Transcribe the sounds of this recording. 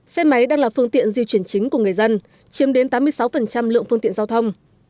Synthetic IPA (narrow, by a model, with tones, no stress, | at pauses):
sɛ˧ma˨˦jɗaː˧ŋlaː˨˩fɨ˧əŋt̪ḭ˧˨ənzi˧t͡ɕwi˧˩ənt͡ɕï˨˦ŋ̟ku˧˩əŋɨ˨˩ə˩jzə˧n | t͡ɕi˨˦əmɗe˨˦nt̪aː˨˦mɨ˧əjsa˨˦wfə˨˩nt͡ɕa˧mlɨ̰˧əŋfɨ˧ŋt̪ḭ˧˨ə˨zaː˧wt̪ʰə˧wŋ͡m